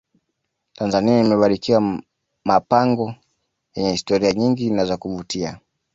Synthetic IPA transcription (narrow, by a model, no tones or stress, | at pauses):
tanzaniaimɛɓaɾikiwa | mapaŋɡɔ | jɛɲɛhistɔɾiaɲiŋɡinazakuvutia̰